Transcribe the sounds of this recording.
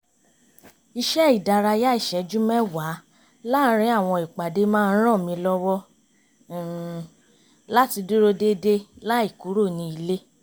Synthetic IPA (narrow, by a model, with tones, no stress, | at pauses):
i˧ʃɛ˦i˦˨da˧ɾa˧ja˦i˦˨ʃɛ˨˦d͡ʒu˦mɛ̃˦wa˨˦ | la˦ɾ̃ĩ˧˦a˦˨w̃ɔ̃˧i˨k͡pa˨de˧˦mãː˦˧˦ɾ̃ã˦˨mĩ˧lɔ˦wɔ˦˨ | la˦ti˧du˦ɾo˦de˦de˦la˦i˦˨ku˨˦ɾo˦˨nĩ˧˦i˧le˦